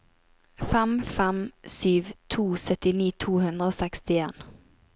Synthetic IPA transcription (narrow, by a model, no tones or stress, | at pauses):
fɛmfɛmsyːʋt̪ʰuːsœt̪ɪniːt̪ʰuːhʉnd̪ɾəoːsɛkst̪ɪeːn